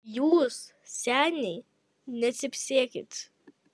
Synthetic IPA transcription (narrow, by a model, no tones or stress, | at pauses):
juːs | sʲæːnʲɛɪ | nʲɛt̪ʲsʲɪpʲsʲiɛkʲɪt̪